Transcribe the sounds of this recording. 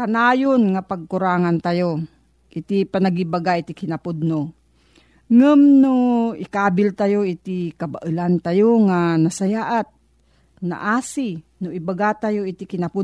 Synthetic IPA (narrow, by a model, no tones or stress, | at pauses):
kanaːjonŋapaɡ̚kʊɾaːŋant̪ajo | ʔɪt̪ɪpɐnaɡibaɡaʔɪt̪ɪkɪnapʊd̪̚no | ŋɨmnoʔɪkaːbɪlt̪ajoʔɪt̪ɪkɐbaʔɨlant̪ajoŋanasajaːʔat̪̚ | na̰ʔaːsɪnʊʔɪbaɡat̪ajoɪt̪ɪkɪnapʊ